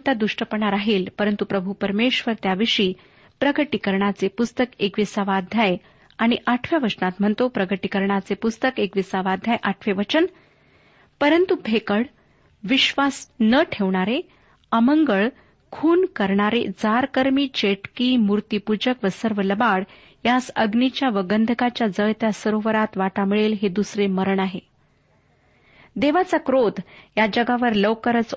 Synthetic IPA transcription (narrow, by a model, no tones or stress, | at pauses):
t̪jad̪uʂʈəpəɳaɾaɦelpəɾənt̪upɾəbʱupəɾmeʂʋəɾt̪jaʋiʂiː | pɾəɡəʈikəɾɳat͡sepust̪əkekʋisaʋad̪ʱjaj | aɽ̃iʔaʈʰʋjaʋət͡ɕnat̪m̤əɳt̪opɾəɡəʈikəɾɳat͡sepust̪əkekʋisaʋad̪ʱjajʔaʈʰʋeʋət͡ɕən | pəɾənt̪ubʱekəɭ | ʋiɕʋasnəʈʰeʋɳaɾe | əməŋɡəɭ | kʰuːnkəɾɳaɾḛd͡zaɾkəɾmiːt͡ɕeʈkiːmuɾt̪ipud͡ʑəkʋəsəɾʋələbaɽ | jasəɡnit͡ɕjaʋəɡənd̪ʱəkat͡ɕjad͡zəjt̪jasəɾoʋəɾat̪ʋaʈamiɭelɦed̪usɾeməɾəɳaɦe | d̪eʋat͡sakɾod̪jad͡ʑəɡaʋəɾləwkəɾət͡s